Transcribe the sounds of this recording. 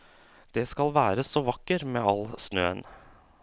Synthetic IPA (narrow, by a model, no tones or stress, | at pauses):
d̪̥ɛskɑlʋæːɾəsoːʋɑkːəɾmeːɑlsnø̰ːə̰n